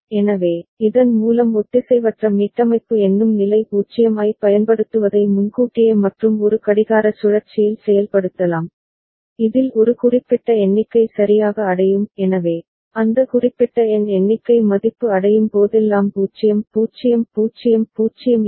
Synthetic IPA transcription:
ɛnɐʋeːɪðɐnmuːlɐmɔt̪ːɪsɛɪʋɐʈrɐmiːʈrɐmɐɪpːɯɛnːɯmnɪlɐɪpuːt͡ʃɪjɐmaːɪpɐjɐnpɐɽɯt̪ːɯʋɐðɐɪmʊnɡuːʈːɪjɐmɐʈrɯmɔɾɯkɐɽɪɣaːɾɐsʊɻɐɾt͡ʃːɪjɪlsɛjɐlpɐɽɯt̪ːɐlaːm | ɪðɪlɔɾɯkʊrɪpːɪʈːɐɛɳːɪkːɐɪsɐɾɪjaːɣɐːɽɐjɯmɛnɐʋeː | ɐnd̪ɐkʊrɪpːɪʈːɐɛnɛɳːɪkːɐɪmɐðɪpːɯɐɽɐjɯmpoːðɛlːaːmpuːt͡ʃːɪjɐmpuːt͡ʃɪjɐmpuːt͡ʃɪjɐmpuːt͡ʃɪjɐm

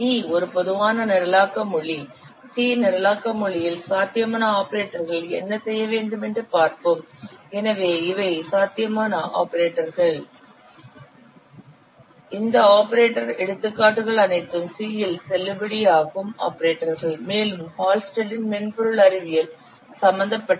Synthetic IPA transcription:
iːɔɾɯpɔðɯʋaːnɐnɪɾɐlaːkːɐmʊɭi | siːnɪɾɐlaːkːɐmʊɭɪjɪlsaːt̪ɪjɐmaːnɐaːpɐɾeːʈːɐɾɣɐɭɛ̰nːɐsɛjːɐʋeːɳɖɯmɛndrɯpaːɾpɯmɛnɐʋeːɪʋɐɪsaːt̪ɪjɐmaːnɐʔa̰ːpɐɾeːʈːɐɾɣɐɭ | ɪnd̪ɐaːpːɐɾeːʈːɐɾɛɽɯt̪ːɯkːaːʈːɯɣɐɭɐnɐɪt̪ːɯmsiːjɪlsɛlːɐbɐɽijaːɣɯma̰ːpːɐɾeːʈːɐɾɣɐɭmeːlɯmhaːlsʈɐɖɪnmɛnpɔɾɯɭɐɾɪʋɪjɐl | sɐmbɐnd̪ɐpːɐʈː

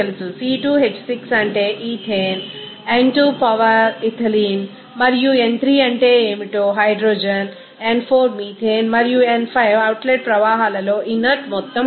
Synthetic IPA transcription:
elususiːʈuːɦet͡ʃːsiksɐɳʈeːʔiːt̪ʰeːn | ɐɳʈuːpɐʋɐɾit̪ʰɐliːn | mɐɾijuent̪ʰɾiːɐɳʈeːeːmiʈoːɦɐjɖɾoːd͡ʒɐn | eɳpʰoːɾmiːt̪ʰeːnmɐɾijuenpʰɐjʋɐwʈleːʈ̚pɾɐʋaːɦaːlɐloːʔinːɐʈmɔt̪ːɐ

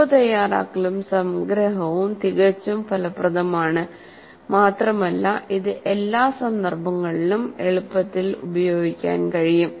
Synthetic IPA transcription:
ɐt̪ɐjaːra̰ːkːɐɭumsɐmɡɾɐɦɐʋumt̪iɣɐt͡ɕːumfʰɐlɐprɐðɐmaːɳɨ | maːt̪rɐmɐlːɐʔiðɨʔe̞lːaːsɐnd̪ɐrbʱɐŋːɐɭilumeɭupːɐt̪ːilṵbɐjo̞ːɡikʲːa̰ːnkɐɻijum

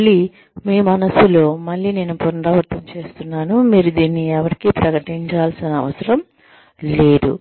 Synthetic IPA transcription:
ɐɭːi | meːmɐnɐsulo̞ːmɐɭːiːne̞ːnupunpɐʋɐɾt̪ʰɐmt͡ʃe̞ːst̪unːaːnumiːɾud̪iːnːiɛʋɐɾikipɾɐkɐʈiɲt͡ʃaːlsinɐɐʋɐsɐɾɐm | le̞ːd̪ṵ

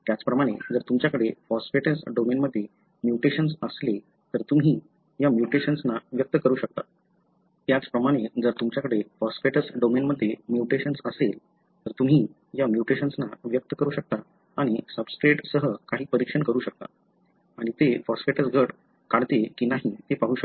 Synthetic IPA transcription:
t̪jat͡spɾəmaɽ̃ed͡zəɾt̪umt͡ɕjakəɽefɔsfeʈəsɖomenməd̪ʱːje | mjuʈeɕənsəsle | t̪əɾt̪umɦiː | jamjuʈeɕənsnaʋjək̚t̪əkəɾuːɕək̚t̪a̰ | t̪jat͡spɾəmaɽ̃ed͡zəɾt̪umt͡ɕjakəɽefɔsfeʈəsɖomenməd̪ʱːjemjuʈeɕənsəsel | t̪əɾt̪um̤iː | jamjuʈeɕənsnaʋjək̚t̪əkəɾuːɕək̚t̪aː | ɽ̃isəbskɾeʈsəɦəkaɦiːpəɾikʂənkəɾuːɕək̚t̪a̰ | aɽ̃it̪efɔsfeʈəsɡʱəʈ | kaɽt̪ekiːnaɦit̪epaɦuːʃəa

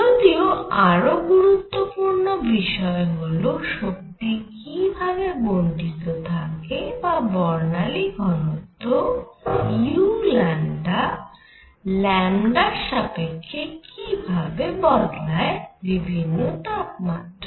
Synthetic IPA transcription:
d͡ʒod̪ioaɾoɡuɾut̪ːopuɾnobiʃɔeɦoloʃok̚t̪ikibʱabeboɳɖit̪ot̪ʰakebabɔɾnaliɡʱɔnot̪o | julɛɳɖa | lɛɳɖaʃapekʰːekʰibʱabebɔd̪laebibʱinːot̪ap̚ma̰ʈ̪

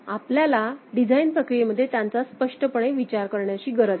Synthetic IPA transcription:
apljalaɖid͡zʱainpɾəkɾijeməd̪ʱːjet̪jant͡saspəʂʈəpəɳ̃eʋit͡ɕaɾkəɾɳjat͡ɕiːɡəɾəd͡z

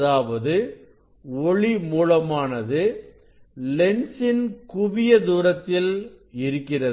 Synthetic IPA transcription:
ðaːʋɐðɯ | ɔɭimuːlɐmaːnɐðɯ | lɛnsɪnkʊʋɪjɐd̪uːɾɐt̪ːɪlɪɾɯkːɪrɐ

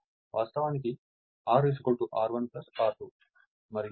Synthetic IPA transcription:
ʋʔaːst̪ɐʋaːnik̬i | aːɾis̬kolʈuʔaːɾʋɐnplɐsaːɾʈu | mɐɾi

